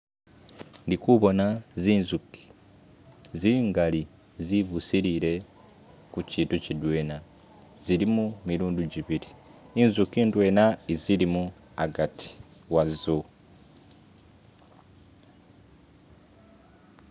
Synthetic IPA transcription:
ndikuβo̞naziːnzuki̥ | ziŋɡali | ziβusiɾiɾe̞ | kuciːntucidweːna | ziɾimumiɾuːnduɟiβiɾi | inzukiːndwe̞ːnaiziɾimu | a̰ɡatʰi̥wazu

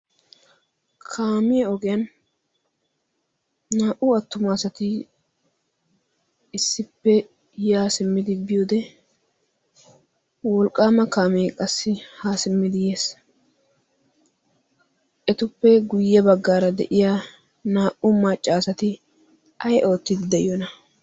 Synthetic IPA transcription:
kʰaːmɪjɛɔɡɛjɐn | aːʔʊɐt̪ːʊmaːsɐt̪ɪ | ɪsːɪpːɛ | jaːsɪmːɪd̪ɪbɪjoːd̪ɛ | wɔlkʼːaːmɐkaːmɪjɛkʼɐsːɪhaːsɪmːɪd̪ɪjeːs | ʔɛt̪ʊpːɛɡʊjːɛbɐɡːaːɾɐd̪ɛ̰ʔɪja | naːʔʊmɐt͡ʃʼːaːsɐt̪ɪ | ɐjʔo̞ːt̪ːɪd̪ɪd̪ɛjɔnɐ

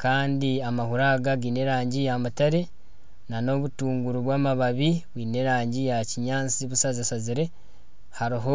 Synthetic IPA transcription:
kaːndiamahuɾaːɡaɡiːne̞ɾaːɲɟijamutaɾe̞ | nano̞βutuːŋɡuɾuβwaːmaβaβiβwiːne̞ɾaːɲɟijaciɲaːt͡siβusazasaziɾe̞ | haɾiɦo̞

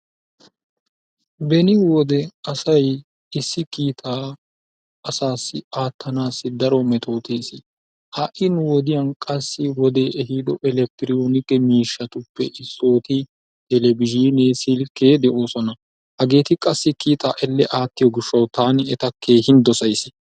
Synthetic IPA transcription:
bɛnɪwɔd̪ɛɐsɐj | ɪsːɪkiːt̪ʰaː | ɐsaːsːɪaːt̪ːɐnaːsːɪd̪ɐɾɔmɛt̪ʰo̞ːt̪eːsɪ | hɐʔɪnʊwɔd̪ɪjɐnkʼɐsːɪwɔd̪eːʔɛɦiːd̪ɔʔɛlɛk̚t̪ɪɾɪjoːnɪkːɛmiːʃːɐt̪ʊpːɛʔɪsːo̞ːt̪ɪ | d̪ɛlɛbɪʒiːneːsɪlkːeːd̪ɛʔo̞ːsɔnɐ | hɐɡe̞ːt̪ɪkʼɐsːɪkiːt̪aːʔɛlːɛʔaːt̪ːɪjɔɡɪʃːɐwt̪aːnɪɛt̪ɐkʰːe̞ːhɪnd̪ɔsɐjsɪ̥

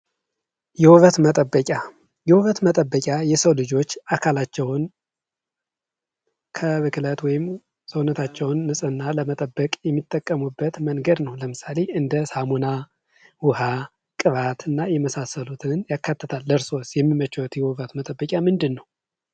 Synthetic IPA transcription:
jɛwuβət̪mət̪ʼəbːəkʼa | jɛhuβət̪mət̪ʼəbːəkʲʼajɛsəwlɨd͡ʒo̞t͡ʃːakʰalat͡ʃːɛwn | kʰəβɨkʰlət̪wɔjɪm | səwnət̪ʰat͡ʃːɛwnːɨsʼɨnːaləmət̪ʼəbːəkʼjɛmːit̪ʼːəkʼːəmubːət̪məŋɡəd̪nəwləmɨsale̞ɨnd̪əsamuna | wʊha | kʼɨβat̪ʰɨnːajɛməsasəlut̪ʰɨnjakːat̪ʰːət̪ʰalːəɾso̞sjɛmːimət͡ʃwɔt̪jɛhuβət̪mət̪ʼəbːəkʲʼamɨnd̪ɨnːəw

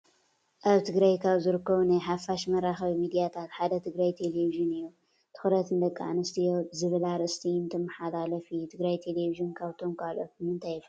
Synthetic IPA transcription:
ʔaβt̪ʰɨɡɾajkʰaβzɨɾɨkːɐβunajħafaʃmɐɾaxɐβimid̪ijat̪ʰat̪ħad̪ɐt̪ʰɨɡɾajt̪ʰeleviʒɨnɨjːu | t̪ʰɨ̥xɾɐt̪ɨnd̪ɐkʼːaʕnɐst̪ʰijozɨβɨlaɾɨst̪ʰint̪ʰɨmːɐħalalɐfit̪ʰɨɡɾajt̪ʰeleviʒɨnkʰaβt̪ʰo̞mkʰalʔoɨmɨnt̪ʰajf

